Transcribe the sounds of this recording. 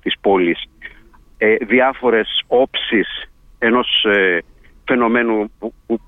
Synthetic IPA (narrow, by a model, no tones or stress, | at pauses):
t̪ispolis | ðiɐfo̞ɾe̞so̞psis | eno̞s | fe̞no̞me̞nupu